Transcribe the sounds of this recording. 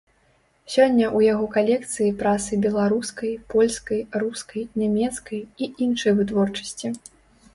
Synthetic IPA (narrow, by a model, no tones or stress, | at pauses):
sʲɔnʲːɐʔujaɣɔkalʲɛkt̪sɨjipɾasɨbʲɛlˠaɾuskɐjpɔlʲskɐjruskɐjnʲamʲɛt̪skɐjiinʂɐjvɨt̪vɔrt͡ʂɐ̥sʲt͡sʲi